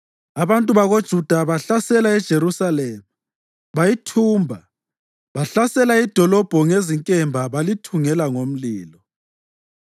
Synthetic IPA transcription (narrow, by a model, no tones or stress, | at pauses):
aβantʼuβaɣod̥ʒ̥ʱud̥ʱaβaɬasɛlaɛd̥ʒ̥ʱeɾusaleːmu | βajitʰuːmbʱa | βaɬasɛlaid̥ʱɔlɔb̥ʱɔŋeziŋkʼɛmbʱaβalitʰuŋɛlaŋom̩liːlɔ